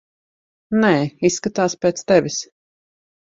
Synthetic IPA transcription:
nɛːisːkat̪aːspeːt̪st̪ɛvʲis

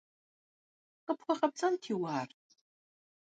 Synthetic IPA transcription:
qəpχʷɔχɐp̚t͡sʼɐntʰiːwaːr

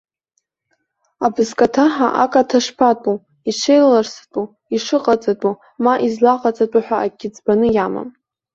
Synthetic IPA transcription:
abɨzkʼatʰaħa̰ʔakʼatʰaʂpʰatʼu | iʈ͡ʂʰejllarstʼu | iʂɨqʼat͡sʼatʼu | maʔizlaqʼat͡sʼatʼaħʷᶣaːɡʲɪd͡zbanɨjama̰m

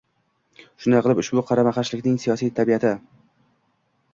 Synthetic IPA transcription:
ʃʊnaqʰɨlˠɪpʊʃbʊqʰɑɾamaqɑʃlɪkʲnɪŋsijɒsijt̪ʰabijat̪ʰɪ

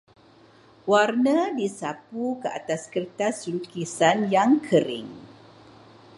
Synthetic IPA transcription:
warnə̃disapukəʔa̰t̪askərt̪asukisanjaŋkʰəɾɪ̰ŋ

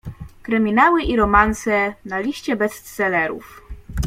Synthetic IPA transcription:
kɾɘmʲinawɘʔiɾɔmansɛnalʲiɕt͡ɕɛbɛst̪sɛlɛɾṵf

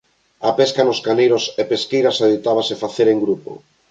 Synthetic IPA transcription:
apɛskanoskanejɾosepeskejɾasaðit̪aβ̞asefaθeɾeŋɡɾupo̰

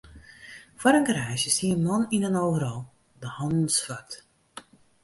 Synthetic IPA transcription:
fwɔɾəŋkrɛjsəsiəmnɔninənoːvəɾɔlˠ | dəhɑndnsfat

